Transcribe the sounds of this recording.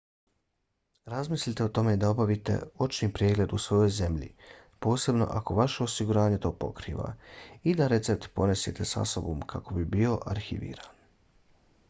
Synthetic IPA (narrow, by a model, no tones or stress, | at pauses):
ɾazmislit̪e̞ot̪o̞me̞d̪ao̞baʋit̪e̞̰o̞t͡ʃniːpɾieːɡle̞d̪usʋo̞jo̞jze̞mʎḭpo̞ːse̞bno̞̰ʔako̞ʋaʃe̞o̞siɡuɾaːɲet̪o̞ːpo̞̰kɾḭːʋa̰id̪aɾe̞t̪se̞p̚t̪po̞ne̞sje̞t̪e̞sa̰so̞bomkʰako̞bibio̞ʔaɾxiʋḭːɾan